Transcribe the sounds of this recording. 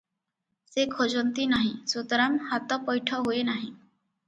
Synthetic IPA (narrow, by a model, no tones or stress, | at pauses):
sekʰod͡ʒɔnt̪inaɦĩsud̪ɾamhat̪ɔpɔjʈʰɔɦuenaɦĩ